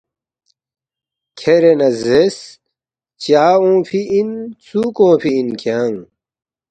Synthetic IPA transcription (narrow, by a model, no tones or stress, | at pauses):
kʰeɾenɐzes | t͡ɕaːõːfiint͡suːkõːfiinkʰaːŋ